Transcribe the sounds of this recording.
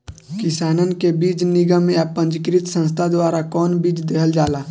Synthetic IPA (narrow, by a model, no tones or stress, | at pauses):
kɪsaːnənkebiːd͡ʒnɪɡəmjapə̃ɲd͡ʒkɾɪt̪sə̃nst̪ʰad̪waːɾakɔːnbiːd͡ʒd̪eːɦəld͡ʒaːlaː